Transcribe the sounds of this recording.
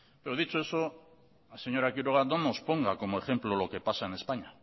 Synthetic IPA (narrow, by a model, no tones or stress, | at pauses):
beɾoðit͡sueso | seɲo̞ɾakiɾoɣad̪onospo̞ŋɡako̞mo̞e̞xe̞mplolo̞ke̞pasaene̞spaɲa